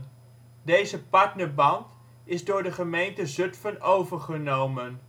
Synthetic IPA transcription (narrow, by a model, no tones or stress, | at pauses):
dejzəpɑɹtnəɹbɑnt | ɪzdʊːɹdəχəmejntəzɵtfənowvəɹχənowmən